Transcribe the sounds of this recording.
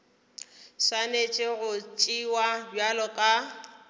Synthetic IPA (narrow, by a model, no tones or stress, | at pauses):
sanet͡ʃʼɪɣʊt͡ʃʼiwabjalɔkʼa